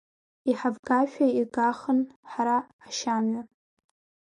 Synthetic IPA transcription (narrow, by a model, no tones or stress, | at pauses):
iħavɡaʃʷᶣaiɡʼaχənħaɾaː | ʃamɥa